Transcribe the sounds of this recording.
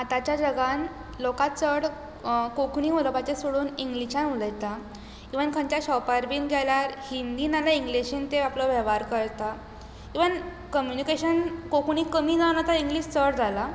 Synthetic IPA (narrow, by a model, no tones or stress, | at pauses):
at̪at͡ɕjad͡ʑəɡãn | lokat͡səɽ | kokɳiɦoləpat͡ɕesoɽuːniŋɡliɕãnuləjt̪a | kiʋənkʰə̃ɲt͡ɕjaɕɔpaɾbiːnɡʱɛljaɾhind̪iːnalaiŋɡliɕint̪eaplɔʋjəʋaɾkəɾt̪a | kiʋən | kəmjunikeɕənkokɳiːkəmiːd͡zanat̪aiŋɡliːɕt͡səɽd͡zʱala